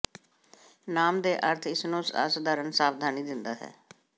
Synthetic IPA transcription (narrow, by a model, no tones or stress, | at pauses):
naːmd̪eːʔəɾt̪ʰɪsnõːsa̰ːsd̪aːɾənsaːʋd̪ʱaːniːd̪ɪnd̪aːɦɛ̰ː